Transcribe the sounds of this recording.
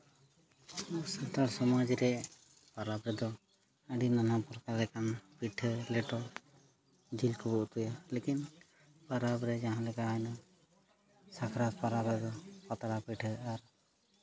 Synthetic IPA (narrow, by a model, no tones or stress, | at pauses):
ɔʔsat̪aɽsɔmad͡ʒiɾɛ | paɾabɾɛd̪ɔ | əɖinanapɔɾkalɛkanpiʈʰəlɛʈɔ | d͡ʒilkubɔʔt̪ujalekin | paɾabɾɛd͡ʒaɦãlɛkaɦɔjna | sakʰɾat̪paɾabɾɛd̪ɔpat̪aɽapiʈʰəaɾ